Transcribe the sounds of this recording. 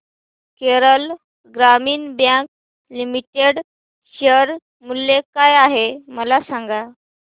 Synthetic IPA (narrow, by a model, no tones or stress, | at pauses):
keɾəl | ɡɾamiːnbjãk̚ | limiʈeɽ | ɕəɾ | mulːekajaɦeməlasaŋɡa